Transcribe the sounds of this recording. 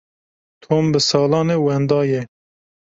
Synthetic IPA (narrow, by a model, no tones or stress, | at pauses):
t̪ʰoːmbɨsɑːlɑːneːwɛnd̪ɑːjɛ